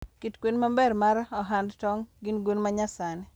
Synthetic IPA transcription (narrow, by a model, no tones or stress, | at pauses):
kitkwenmambɛrmaɾɔɦandtɔŋɡɪnɡwenmaɲasanɛ